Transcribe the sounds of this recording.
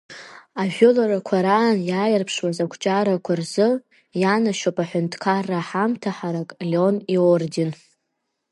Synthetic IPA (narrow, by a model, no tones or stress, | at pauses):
aʒᶣʊlaɾakʷʰaɾaːnjajarpʰʂwazakʷʰt͡ʃʼaɾakʷʰarzɨ | janaʃopʼaħʷʊntʰkʰarːaħamtʰaħaɾakʼlʲeoniordin